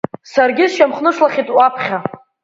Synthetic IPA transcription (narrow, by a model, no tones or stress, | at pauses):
sarɡʲɪzʃamχnɨʂlaχʲitʼwapʰχʲa